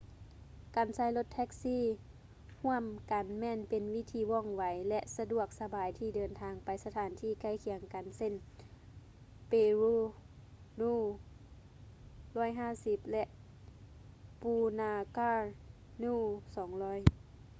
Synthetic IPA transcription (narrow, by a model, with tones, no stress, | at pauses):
kaː˨˩nsaː˧˩jlo˧t̪ʰːɛ˧˥k̚siː˧˥˨ | hu˧˥˩əmka˨˩nmɛː˧˨npe˨nʋi˧˥t̪ʰiː˧˦ʋɔ˧˩˨ŋʋa˨˦jlɛ˧ʔsa˧du˧˩ək̚sa˧baː˨jt̪ʰiː˧˩dɤː˨˩nt̪ʰaː˨˦ŋpa˨jsa˧t̪ʰaː˨˦nt̪ʰiː˧˩ka˧˩jkʰi˨˦əŋka˨nse˧˥˨n | peː˧˩ɾuː˧ | luː˧˩ | lɔː˧˥˩jɦaː˧˥˩si˧p̚lɛ˧ʔ | puː˧naː˧kaː˧ | nuː˧˨sɔː˨˦ŋlɔː˧˥˨j